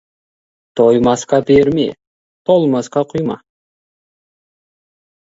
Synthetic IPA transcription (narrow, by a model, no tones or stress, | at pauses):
t̪ʰojmɑsqɑbeɾmḛ | t̪ʰolˠmɑsqɑqʰʊjmɑ̰